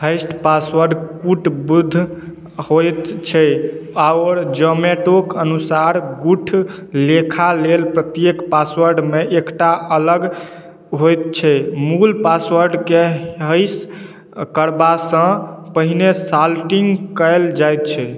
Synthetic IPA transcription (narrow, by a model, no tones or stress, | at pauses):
ɦəjsʈpasʋəɾɖkuʈbud̪ʱ | hojt̪t͡ʃʰɛaɾd͡ʒəmeʈokənusaɾɡuʈʰ | lekʰalelpɾət̪jekpaswəɾɖmeʔekʈaʔələɡ | ɦojt̪̚t͡ʃʰɛmulpasʋəɾɖkeɦəjs | kəɾbasə̃pəɦinesalʈiŋɡkəɪld͡ʒajt̪̚t͡ʃʰɛ